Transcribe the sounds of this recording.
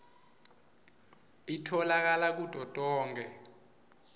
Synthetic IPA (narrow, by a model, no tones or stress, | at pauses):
itʰɔlak̬alak̬ud̥ʱɔd̥ʼɔːŋʱɛ